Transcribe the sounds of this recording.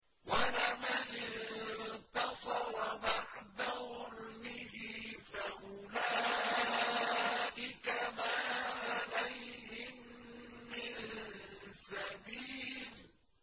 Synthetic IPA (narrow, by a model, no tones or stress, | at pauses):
walɪmanɪnnt̪ɑsˤɑɾˤbaʕd̪ahʊlmɪɦɪfaʔʊla | ʔɪkamaːʕalajɦɪmː | ɪn | sabiːl